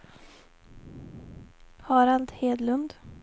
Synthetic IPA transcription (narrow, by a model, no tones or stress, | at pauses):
hɑːɾald̪heːd̪lɵnd̪